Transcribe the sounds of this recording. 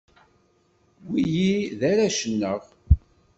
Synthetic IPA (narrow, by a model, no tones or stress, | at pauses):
wijiðæɾaʃənːəʁ